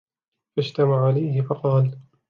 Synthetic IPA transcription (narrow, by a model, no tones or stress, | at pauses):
fad͡ʒt̪amaʕʕalajhɪfɑqɑːl